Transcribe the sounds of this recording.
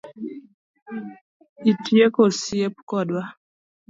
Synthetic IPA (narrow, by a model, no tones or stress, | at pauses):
itjekosiep̚kɔdwa